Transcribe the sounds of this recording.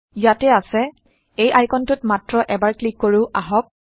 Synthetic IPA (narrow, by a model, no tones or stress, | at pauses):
jatɛasɛ | ejʔajkɔntʊtmatɹɔʔɛbaɹklikːoɹʊʔaɦɔk̚